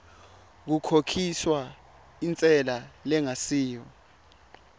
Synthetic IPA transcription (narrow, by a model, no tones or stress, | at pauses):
k̬ukʰokʰiswa | int͡sʼɛlalɛŋasiːjɔ